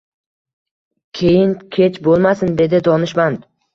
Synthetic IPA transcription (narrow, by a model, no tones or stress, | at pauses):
kʲʰejɪnkʲʰet͡ʃbolˠmasɪnd̪e̞d̪ɪd̪ɒnɪʃmand̪